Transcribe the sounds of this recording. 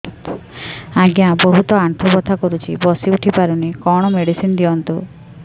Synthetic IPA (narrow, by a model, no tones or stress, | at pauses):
aɡjãboɦut̪ɔaɳʈ̪ʰubɔt̪ʰakɔɾut͡ʃʰibɔsiuʈʰipaɾunikɔɽ̃ɔmeɽisind̪iɔnt̪u